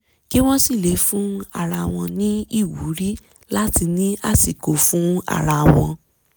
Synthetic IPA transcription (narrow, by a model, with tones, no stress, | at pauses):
ki˦w̃ɔ̃˦si˦˨le˨˦fũ˦a̰˦˨ɾa˧˨w̃ɔ̃˧nĩ˦i˦˨wu˨˦ɾi˦ | la˦ti˧nĩ˦a˦˨si˨ko˨fũ˦a̰˦˨ɾa˧˨w̃ɔ̃˧